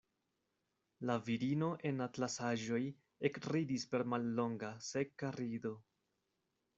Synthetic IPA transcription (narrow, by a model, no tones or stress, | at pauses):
laviɾino̞ʔe̞natlasaʒo̞j | e̞kɾidispe̞ɾmalːo̞ŋɡase̞kaɾido̞